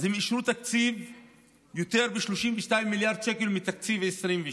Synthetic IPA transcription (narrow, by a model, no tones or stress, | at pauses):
zimiʃɾut̪ak̚t͡siv | jot̪eʁbeʃloʃimveʃtaimːiljaʁd̪̚ʃekelmit̪ak̚t͡siveesʁimve